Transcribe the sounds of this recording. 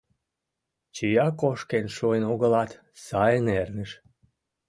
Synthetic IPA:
t͡ɕijɑkoʃkenʃuenoɣəlɑt̪ | sɑjənernəʃ

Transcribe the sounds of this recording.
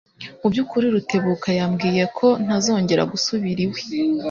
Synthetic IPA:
ubɟukuɾiɾutʰe̞βukajamɡiːje̞kʰo̞n̥azo̞ːɲɟe̞ɾa̰ɡusuβiɾiwe

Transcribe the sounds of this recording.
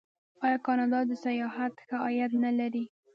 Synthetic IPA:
ɑjɑkɑnɑd̪ɑd̪əsajɑhat̪xaɑjat̪nalaɾi

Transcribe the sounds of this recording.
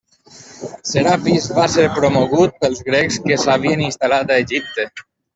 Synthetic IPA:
seɾapizβaseɾpɾomoɣut̪̚pelˠzɣɾekskesaβ̞ieninst̪alat̪aeʒip̚t̪e

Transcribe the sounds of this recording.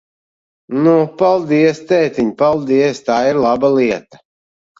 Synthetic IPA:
nupalˠd̪iɛst̪ɛːt̪ʲiɲpalˠd̪iɛst̪aːiɾlˠabaliɛt̪ḁ

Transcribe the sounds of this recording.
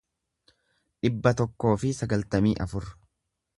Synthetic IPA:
ᶑɪbːɐt̪ɔkːo̞ːfɪsɐɡɐlt̪ɐmiːʔɐfʊɾ

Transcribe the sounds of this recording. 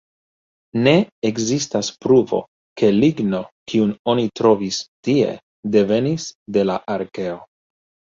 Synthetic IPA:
ne̞ekzistaspɾuvo̞̰ | ke̞liɡno̞kiuno̞nitɾo̞vistie̞̰ | de̞ve̞nisde̞laʔaɾke̞o̞

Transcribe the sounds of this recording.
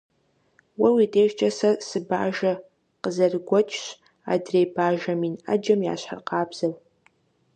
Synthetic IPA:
wɐwitʼeːʒt͡ʃʼɐsɐsɨba̰ːʒɐ | qəzɐrɡʷɔt͡ʃʼʰɕ | a̰drejbaːʒɐmina̰d͡ʒɐmja̰ːɕħa̰rqaːbz̥ɐl

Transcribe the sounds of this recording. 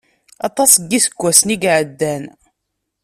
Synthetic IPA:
ɑt̪ˤɑsˤɡːisəɡʷːæsniɡʕəd̪ːæn

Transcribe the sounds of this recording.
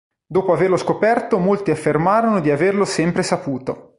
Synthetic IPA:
d̪oːpoaverloskopɛrt̪omolt̪iafːermaːɾonod̪iaverlosɛmpɾesapuːt̪o

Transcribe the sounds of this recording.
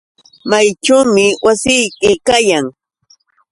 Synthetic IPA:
majʈ͡ʂaːmɪwasɪjkɪkajaŋ

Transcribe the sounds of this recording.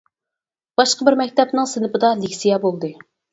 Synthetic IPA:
b̥ɑʃqəbɪɾmɛkʲt̪ʰɛpnɨŋsɪnɨpɨd̪ɑlikʲsijɑbolˠd̪ɨ

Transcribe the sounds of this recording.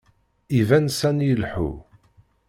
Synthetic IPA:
ivænsænjəlħṵ

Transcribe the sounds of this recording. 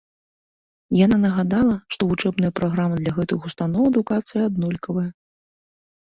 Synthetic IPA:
jananɐɣad̪alˠɐʂt̪ɔvut͡ʂɛbnɨjɐpɾaɣɾamɨd̪lʲɐɣɛt̪ɨxust̪anɔwɛd̪ukat̪sɨjɐad̪nɔlʲkɐvɐjɐ

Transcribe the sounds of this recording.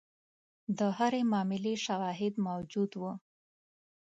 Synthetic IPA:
d̪əɦaɾemɑmɪleʃawɑɦɪd̪mawd͡ʒud̪wu

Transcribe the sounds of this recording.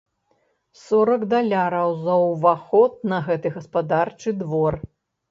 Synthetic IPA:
sɔɾɐkd̪alʲaɾɐwzɐwvaxɔt̪̚nɐɣɛt̪ɨɣɐspad̪art͡ʂɨd̪vɔr

